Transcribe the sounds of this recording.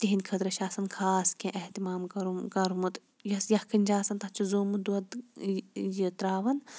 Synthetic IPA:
t̪iɦinʲkʰɐd̪ɾɐʃaːsɐnkʰaːskẽʔeht̪imaːmɐɾukɐɾumut̪ | jɐsjɐhkʰɐnʲd͡ʒaːsɐnt̪ɐt͡ʃʰizoːmud̪uɐd̪ | jit̪ɾaːʋɐn

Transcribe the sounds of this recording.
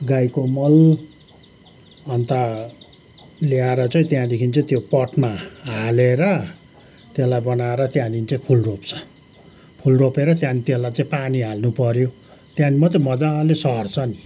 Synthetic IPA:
ɡajkomʌl | ʌnt̪a | liaɾʌt͡saĩt̪jãd̪ekʰint͡sʌĩt̪jopʌʈmaɦaleɾʌ | t̪elajbʌnaeɾʌt̪jãd̪init͡sʌĩpʰulropt͡sʰʌ̥ | pʰulropeɾʌt̪jãnit̪elajt͡saĩpaniɦalnupʌɾjo | t̪jãnimʌt͡saĩmʌd͡zalesʌɦʌrt͡sʰʌni

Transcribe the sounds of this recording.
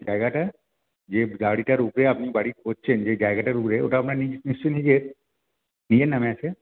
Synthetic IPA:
d͡ʒaːjɡaʈa | d͡ʒeːd͡ʒaːɽiʈaɾupɾeɐpnibaːɽioːt͡ʃʰend͡ʒeːd͡ʒaːɪɡaʈaɾukɾeo̰ʈaɐpnaninɪst͡ʃiniɡeːt̪ | nijenɐmɛ̃ːse

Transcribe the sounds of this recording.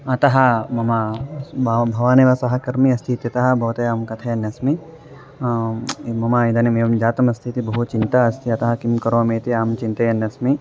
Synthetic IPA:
ɐt̪ɐɦɐ̆mɐma | bʱɐʋaːneːʋɐsɐɦɐkɐɾmiɐst̪ʰit̪jɐt̪ɐɦɐ̆bʱɐʋɐt̪ɐjaːmkɐt̪ʰɐjɐnːjɐsmi | mɐmaid̪ɐnimeːʋɐmd͡ʒaːt̪ɐmɐst̪ʰit̪ibɐɦut͡ʃint̪ɐɐst̪ʰiɐt̪ɐɦɐkimkɐɾoɐmet̪iaːmt͡ʃint̪ɐjɐnjɐsmi

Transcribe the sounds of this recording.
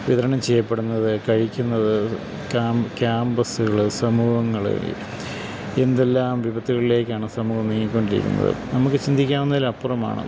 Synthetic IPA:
ʋiðɐɾɐɳɐmt͡ɕejːɐpːe̞ɽunːɐðɨkɐɻikʲːunːɐðɨ | kakʲaːmbɐsuɣɐɭɨsɐmuːhɐŋːɐɭɨ̰ | e̞nd̪e̞lːaːmʋibɐt̪ːiɣɐɭile̞ːkʲːaːɳɨsɐmuːhɐmniŋːilkːoɳɖiɾḭkʲːṵnːɐ̰ðɨ̰nɐmukːɨt͡ɕind̪ʱikʲːaːunːɐðilɐpːurɐma̰ːɳɨ̰

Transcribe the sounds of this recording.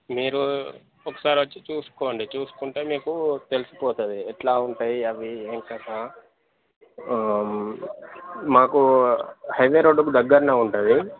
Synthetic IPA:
miːɾu | ɔkːɐ̥saːɾiʋɐt͡ʃːit͡ʃuːsu̥koːɐɳɖit͡ʃuːsu̥kuɳʈeːmiːkut̪e̞lusi̥pɔːt̪ud̪iɛʈlaːuɳʈaːjiɐʋieːŋkɐːsaː | maːkuhɐjʋeːɾoːɖukud̪ɐɡːɐɾnaːuɳʈud̪i

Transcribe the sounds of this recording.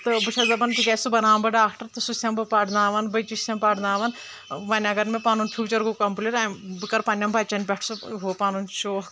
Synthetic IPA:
t̪ɨbɨt͡ʃʰɐzɐbɐnpiɡɐsubɐnaːmbɐɖaːkʈɐɾt̪ɨsusʲɐmbɨpaːʈnaːʋɐnbɐjt͡ʃisʲɐmpaːʈnaːʋɐn | ʋɐnʲɐɡɐɾmẽpaːnuntʲʰuːt͡ʃɐɾɡukɐmpulʲeɾabɨkɐɾpɐnʲjɐmbʱɐt͡ʃɐnʲpʲɛʈʰsuɦoːpaːnunt͡ʃoː

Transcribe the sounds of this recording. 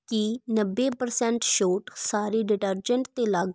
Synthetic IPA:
kinəbːeːpəɾsɛɳʈʃoːʈsaːɾiːɖɪʈəɾd͡ʒəɳʈt̪eːlaɡ

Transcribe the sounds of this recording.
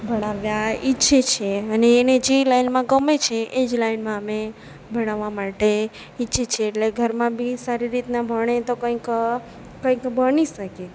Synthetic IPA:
bʱəɽ̃aʋjaitːʃʰet͡ʃʰeəneːned͡ʒelainmãɡəmet͡ʃʰeʔed͡ʒlainmãəme | bʱəɽ̃aʋamaʈe | itːʃʰet͡ʃʰeːʈleɡʱəɾmãbʱisaɾiɾit̪nabʱəɽ̃et̪okə̃ĩk | kə̃ĩkbʱəɽ̃iʃəke

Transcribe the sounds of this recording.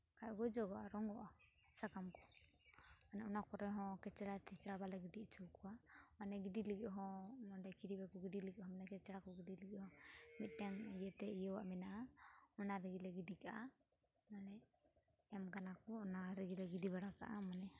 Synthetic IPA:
kajɡɔd͡ʒɔɡɔʔaɾɔŋɡɔʔa | sakamkɔ̥ | manɛunakɔɾɛɦɔ̃kɛt͡ʃɽat̪ʰɛt͡ʃɾabalaɡiɖiʔt͡ʃʰɔwkuwamanɛɡidilɡiʔɦɔ̃mɔɖɛkidibɛkɔɡiɖiliɡiʔɦɔ̃mɛnɛkɛt͡ʃɛɽakɔɡidiliɡihɔ̃mit̪̚dɛŋjɛt̪ɛijɔwaʔmɛnaʔaunaɾɛɡilɛɡidikaʔa | nanɛ | ɛmɡanakɔːnaɾɛɡilɛɡidiβaɽaka̰ʔamanɛ

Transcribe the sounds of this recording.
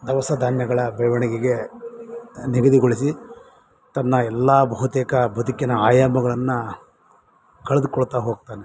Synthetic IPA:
d̪ɐʋɐsɐd̪ʱaːnjɐɡɐɭɐbɛʋɐɳikiɡe̞ | niɡɐd̪iɡoɭisi | t̪ɐnːɐɛlːaːbɐɦut̪eːkɐbɐd̪ikinɐaːjamɐɡɐɭɐnːu | kɐɭed̪ukɔɭt̪aːɦoːɡ̚t̪aːne

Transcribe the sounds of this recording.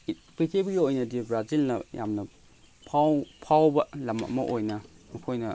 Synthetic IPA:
pitʰebijoojnɐdibɾazilnɐja̰mnɐ | pʰawpʰawbɐlɐma̰ʔmɐʔojnɐmɐkʰojnɐ

